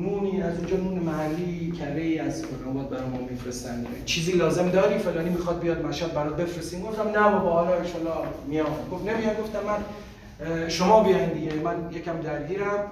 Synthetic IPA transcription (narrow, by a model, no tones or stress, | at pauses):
nuːniːæzind͡ʒɒːnuːnemæhælːiːcʰæɾeiːæzpʰeɾɒnbɒːd̪̚bæɾɒjmunmifɾest̪ænd̪ | t͡ʃʰiːziːlɒːze̞md̪ɒːɾiːfelɒːniːmixɒd̪̚bijɒd̪̚mæʃæd̪̚bæɾɒːt̪̚be̞fɾest̪iːmɡoft̪æmnæbɒbɒhːlɒːeʃɒlɒmijɒɡofnemijɒmɡo̞ft̪æmːæn | ʃomɒːbijɒind̪iɡemænjecʲʰæmd̪æɾɡiːɾæm